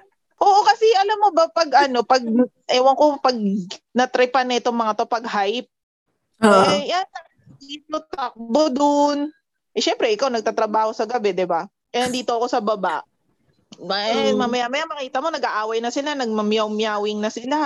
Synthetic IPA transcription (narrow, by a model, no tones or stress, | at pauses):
ʔoːʔo̞kɐsɛʔɐlamːo̞bɐpɐɡʔɐno̞pɐɡ̚ | ʔɛwɐŋko̞pɐɡ̚nɐt̪ɾɪpanɐɪt̪oŋmɐŋat̪o̞pɐɡ̚hajp̚ | ɛjanːɐnɐd̪iːt̪ot̪ɐk̚bod̪ʊn | ʔɛʃɛmpɾɛʔɪkawnɐɡ̚t̪aːt̪ɾɐbaːho̞sɐɡɐbɛd̪ɪba | ʔɛnɐnd̪iːt̪oʔɐko̞sɐbɐbaʔ | mamamɐjamɐjamɐkiːt̪ɐmo̞nɐɡʔaʔaːwɐjnɐsɪlanɐɡ̚mɐmjawmjaːwɪŋnɐsɪla